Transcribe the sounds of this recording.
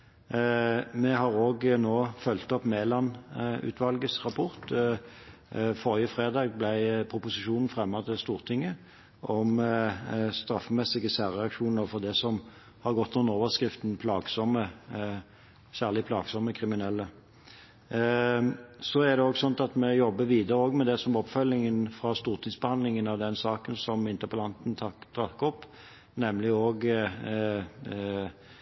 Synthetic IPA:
mɛɦɑʁoːɡnoːfœlt̪ɔpmeːlɑnʉ̰ːt̪ʰʋɑlɡəsʁɑpʰʊʁt̪ | foːʁɪəfɾeːd̪ɑːɡ̚blæɪpʰʁʊpʊsɪʃuːnn̩fʁɛmːɑt̪ʰɪst̪uːʁt̪ʰɪŋːə | ʔɔm | st̪ɾɑfːmɛsɪɡəsæːʁɛɑkʂuːnəfɔʁd̪ɛsɔm | hɑʁɡɔt̪ːnʊnoːʋəʁskʁɪft̪n̩pʰlɑːɡsɔmə | sæːʁlɪpʰlɑːɡsɔmːəkʰʁɪmɪnɛlːə | sɔæʁd̪ɛoːɡsɔnt̪ɑt̪mɛjɔbːəʋiːd̪əɾəoːɡmɛd̪ɛsɔmɔpfœlːɪŋənfʁɑst̪uːʁt̪ʰɪŋsb̥əhɑnd̪lɪŋənɑʋd̪ɛnsɑːkənsɔmɪnt̪əpʰɑlɑnt̪nd̪̥ʁɑkːɔpː | nɛmlɪoːɡ

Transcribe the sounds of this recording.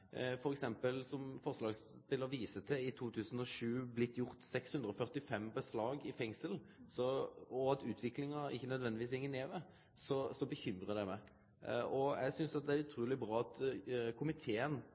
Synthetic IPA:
fɔɾɛksɛmpəlsɔmfɔʁslɑːɡs | pɪlːəɾʋiːsət̪ʰɪɪt̪ʰuːt̪ʰʉːsən̩ɔʂʉːblɪt̪ːjʊʁt̪sɛkshʉnd̪ɾəɔfœʁt̪ɪfɛmːbəslɑːɡɪfɛŋsəlsɔɔɑt̪ʉːt̪ʰʋɪklɪŋɑɪ̰çːənœd̪ʋɛnd̪ɪʋiːshɪŋːəneːʋ̪ɛ | sɔsɔbəçʏmɾʁəd̪ɛmɛ | ɔɛ̰ɡsʏnsɑt̪̚d̪ɛæɾʉt̪ʰɾuːlɪbɾɑːɑt̪kʰʊmɪt̪ʰeːən

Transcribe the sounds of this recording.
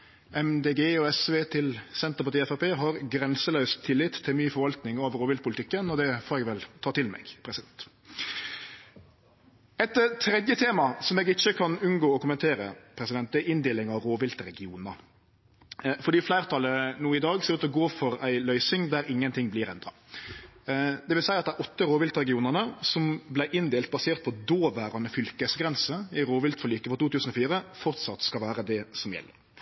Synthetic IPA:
ɛmd̪eːɡeːɔɛsʋeːt̪ʰɪlsɛnt̪əʁpɑʈ̪iːɛfɑpeːɦɑɾɡɾɛnsəlœʉst̪ʰːɪlːɪt̪ʰːɪlmyːfɔɾʋɑlt̪nɪŋoːʋəɾoːʋɪlpʰʊlɪt̪ɪkːənɔd̪ɛfoːɾɛɡʋɛlt̪ʰɑːt̪ɪlmɛ̰ɡpʰɾɛsɪd̪ɛnt̪ | ɛt̪t̪ʰɾɛd̪jət̪ʰeːmɑsɔmɛːɡɪçːəkʰɑnʉnɡoːɔkʊmənt̪ʰeːɾə̰pʰɾɛsɪd̪ɛnt̪d̪ɛɪnd̪eːlɪŋɑɾoːʋɪlt̪ɾɛɡɪuːnə | fɔɾd̪iːflæɪʁt̪ʰɑlənuːɪd̪ɑːɡsɛːɾʉːt̪ɔɡoːfɔɾæɪlœʏsɪŋd̪æɾɪŋːənt̪ʰɪŋːblɪɾɛ̰nd̪ɾɑ | d̪ɛʋɪlsæɪɑt̪d̪ɛʁʔɔt̪ːəɾoːʋɪlt̪əɾɛɡɪuːnəʁnəsɔmblæɪʔɪnd̪eːlt̪̚bɑseːʁt̪̚pʰɔd̪oːʋæːɾɑnəfʏlkəsɡɾɛnsəɪɾoːʋɪlt̪fɔlyːkəfɔɾt̪uːt̪ʉːsən̩ɔfiːɾəfɔɾt̪sɑt̪ːskɑlʋæːɾəd̪ɛsɔmjɛ̰lːə̰ɾ

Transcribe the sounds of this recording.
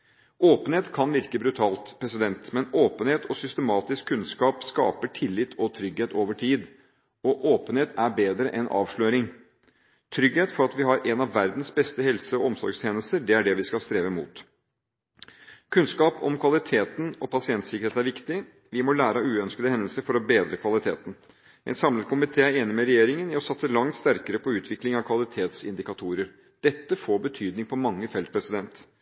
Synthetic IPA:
ʔoːpənheːt̪kʰɑnʋɪɾkəbɾʉt̪ʰɑːlt̪pʰɾɛsɪd̪ɛnt̪mɛnoːpənheːt̪ʰɔsʏst̪əmɑːt̪ɪskʰːʉnskɑːpskɑ̰ːpəʈʰɪlːɪt̪ʰɔt̪ʰɾʏɡeːt̪ʰoːʋəʈʰiːd̪ | ɔʔoːpənheːt̪æɾbeːd̪ɾəʔɛnʔɑ̰ːʋʂɭøːɾɪŋ | t̪ʰɾʏɡheːt̪fɔɾɑt̪ʋɪɦɑɾʔɛnɑʋːæɾd̪n̩sbɛst̪əɦɛlsəɔɔmsɔ̰ɾɡst̪ʰeːnəst̪əɖɛæɖɛʋɪskɑlst̪ɾeːʋəmṵːt̪ | kʰʉnskɑːpɔ̰mkʰʋɑlɪt̪ʰeːt̪n̩ɔpʰɑsɪɛnt̪sɪkəɾeːt̪næɾʋɪkt̪ɪ | ʋɪmɔlæːɾəʉːœnskəd̪əhɛnd̪əl̩səɾfɔɾɔbeːd̪ɾəkʰʋɑlɪt̪ʰḛːt̪ən̩ | ʔɛ̰nsɑmlət̪̚kʊmɪt̪ʰeːæɾeːnɪmɛɾɛjeːɾɪŋənɪɔsɑt̪səlɑŋt̪st̪æɾkəɾəpʰɔʉːt̪ʰʋɪklɪŋɑʋkʰʋɑlɪt̪ʰeːt̪sɪ̰nd̪ɪkɑt̪ʰuːɾəɾ | d̪̥ɛt̪ːəfoːbət̪ʰyːd̪nɪŋpʰɔmɑŋːəfɛlt̪̚pʰɾɛsɪd̪ɛnt̪

